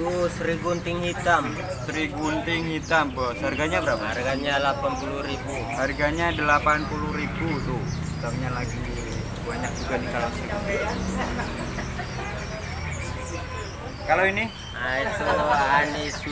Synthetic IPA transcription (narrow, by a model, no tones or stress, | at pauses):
usəɾiɡunt̪ɪŋhit̪am | səɾiɡunt̪ɪŋhit̪ambəsharɡaɲabəɾapaharɡaɲalapanpuluɾibu | harɡaɲadəlapanpuluhɾibut̪ʊ | ət̪amɲalaɡi | baɲak̚d͡ʒuɡanikalansəɾiɡut̪ia | kaloini | ʔait̪oanɪs